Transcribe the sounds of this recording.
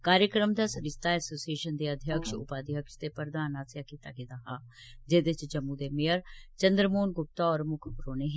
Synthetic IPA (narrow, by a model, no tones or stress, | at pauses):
kaːɾjəkɾəmd̪aːsəɾɪst̪aːɛːsoːsieːʃənd̪eːəd̪ʱjəkʃʊ̰paːd̪ʱjəkʃt̪eːpəɾd̪aːnaːsjaːkiːt̪aːɡeːd̪aːɦaː | d͡ʒeːd̪ɪt͡ʃd͡ʒəmːũːd̪eːmejəɾt͡ʃənd̪ɾəmoːnɡʊp̚t̪aːɔːɾmʊkʰpʊɾoːneːɦ